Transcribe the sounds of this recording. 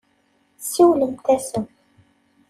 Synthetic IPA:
siwlĩt̪ɛsə

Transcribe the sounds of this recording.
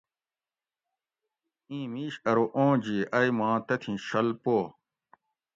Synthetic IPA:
ĩːmiːɕɐɾoʔõːd͡ʑiːʔɐjmãːt̪ɐt̪ʰĩɕɐlpoː

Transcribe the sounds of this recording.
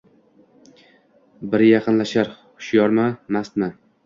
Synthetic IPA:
bɪɾjɑqʰɨnlaʃaɾχʊ̥ʃjɒɾmamast̪ma

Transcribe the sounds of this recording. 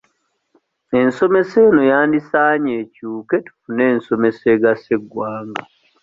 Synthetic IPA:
e̞nso̞me̞se̞ːnojaːndisaːɲeːcuːke̞tu̥fune̞ːnso̞me̞se̞ːɡaseɡwaːŋɡa

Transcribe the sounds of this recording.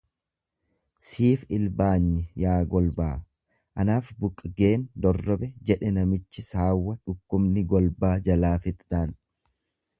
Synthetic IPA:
siːfɪlbaːɲːɪjaːɡɔlbaː | ʔɐnaːfbʊkʼːɡe̞ːnd̪ɔrːɔbɛd͡ʒɛᶑɛnɐmɪt͡ʃːɪsaːwːɐᶑʊkːʊmnɪɡɔlbaːd͡ʒɐlaːfɪt̪ᶑaːn

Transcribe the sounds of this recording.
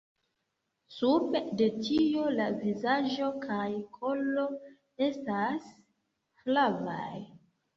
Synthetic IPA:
suɾbde̞tio̞lavizaʒo̞kʰajkʰo̞lːo̞ | e̞stas | hlava̰j

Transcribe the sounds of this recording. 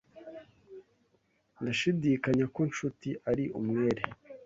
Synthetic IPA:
ndaʃidikaɲako̞nʃutiʔaɾiʔumŋeːɾe

